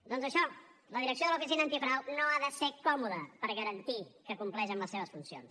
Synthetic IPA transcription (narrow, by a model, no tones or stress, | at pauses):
d̪ɔnzəʃɔ | ləðiɾəks̬joðəlufisinəːnt̪ipɾawnoaðəsekɔmuðəpəɾɣəɾənt̪ikəkumplɛʃəmləseβəsfunsio̰ns